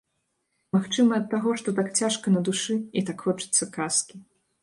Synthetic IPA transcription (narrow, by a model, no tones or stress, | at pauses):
maxt͡ʂɨmɐɐt̪ːaɣɔʂt̪ɔt̪akt͡sʲaʂkɐnɐd̪uʂɨit̪akxɔt͡ʂɨ̥t̪sːɐkaskʲi